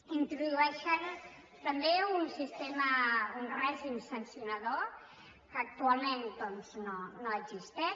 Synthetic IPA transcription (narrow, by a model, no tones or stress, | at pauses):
int̪ɾuðuɛʃan | t̪ɐmbeunsist̪emaunrɛʒimsɐnsjunɐðo | kːk̚t̪ualˠmẽnd̪ɔnznonoeɡzist̪e